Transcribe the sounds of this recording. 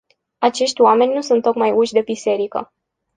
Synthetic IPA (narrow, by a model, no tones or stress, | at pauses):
at͡ʃe̞ʃt̪ʲwame̞nʲnusunt̪ːo̞kmajuʃd̪e̞bise̞ɾikə̰